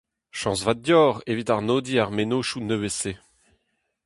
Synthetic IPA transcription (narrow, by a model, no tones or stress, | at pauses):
ʃɑ̃svat̚djɔːʁevit̪aʁnoːd̪iaʁmenoːʃunøwese